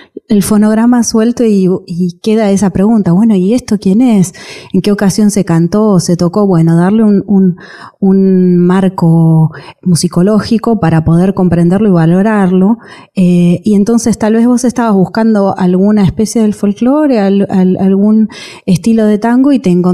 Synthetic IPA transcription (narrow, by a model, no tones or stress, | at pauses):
elfo̞no̞ɣ̞ɾamaswe̞lt̪oiike̞ðaesapɾe̞ɣunt̪aβwe̞no̞ie̞st̪o̞kje̞ne̞se̞ŋkeo̞kasjo̞nse̞kant̪o̞se̞t̪o̞ko̞βwe̞no̞ðaɾleunun | unmaɾko̞musiko̞lo̞xiko̞paɾapo̞ð̞eɾko̞mpɾe̞nd̪eɾlo̞iβalo̞ɾaɾlo̞ | eie̞nt̪o̞nse̞st̪alβe̞zβo̞se̞st̪aβazβuhkand̪o̞ʔalɣunaespe̞sje̞ðelfo̞lklo̞ɾe̞alala̰lɣun | e̞st̪ilo̞ðe̞t̪aŋɡoit̪eːŋko